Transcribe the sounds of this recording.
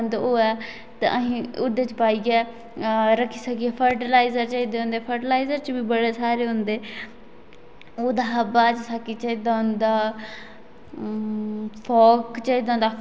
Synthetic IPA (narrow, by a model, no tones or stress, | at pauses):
nd̪oːɛː | t̪a̰ʔəɦĩːʊd̪eːt͡ʃpaːiːɡɛː | ɾəkʰːiːsəkiɛpʰəɾʈəlaːizəɾt͡ʃəid̪eːɦʊ̃nd̪eːpʰəɾʈəlaːizəɾt͡ʃbiːbəɽeːsaːɾeːɦʊ̃nd̪eː | oːd̪aːɦəbaːt͡ʃsakiːt͡ʃəid̪aːʊnd̪aː | pʰɔːkt͡ʃəiːd̪aːnd̪aː